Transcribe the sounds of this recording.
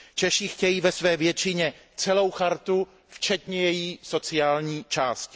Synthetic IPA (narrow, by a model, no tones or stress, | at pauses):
t͡ʃɛʃixcɛjiːvɛsvɛːvjɛt͡ʃɪɲɛ | t͡sɛlo̞wxaɾt̪u | ft͡ʃɛt̪ɲɛjɛjiːso̞t͡sɪaːlɲiːt͡ʃaːscɪ̥